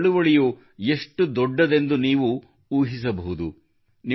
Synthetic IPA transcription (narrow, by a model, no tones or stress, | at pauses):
ɭuʋɐɭiju | e̞ʂʈud̪ɔɖːɐd̪e̞nd̪uniːʋu | uːɦis̬ɐbɐɦud̪u | ni